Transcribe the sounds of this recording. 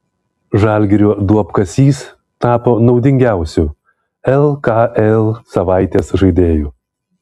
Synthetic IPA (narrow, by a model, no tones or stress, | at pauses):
ʒɑːˑlʲɡʲɪɾʲuːd̪uɔpkɐsʲiːs | t̪ɑːpoːnɒʊd̪ʲɪŋʲɡʲæˑʊsʲʊ | ɛlˠkɑʔɛlˠsɐʋɑˑɪt̪ʲeːsʒɐɪd̪ʲeːjuː